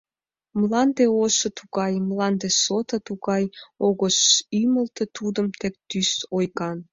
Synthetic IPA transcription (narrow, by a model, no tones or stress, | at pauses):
mlɑnd̪eoʃət̪uɣɑjmlɑnd̪esot̪ət̪uɣɑjoɣəʃyməlt̪et̪ud̪əmt̪ek̚t̪ysojɣɑn